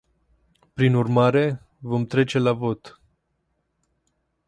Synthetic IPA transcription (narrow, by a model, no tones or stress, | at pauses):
pɾinurmaɾe̞ | vo̞mt̪ɾe̞t͡ʃe̞lavo̞t̪